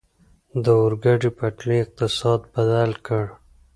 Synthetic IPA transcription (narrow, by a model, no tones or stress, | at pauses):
d̪əʊɾɡaʈipɐʈliːq̚t̪ɪsɑːd̪bɐdalkəɽ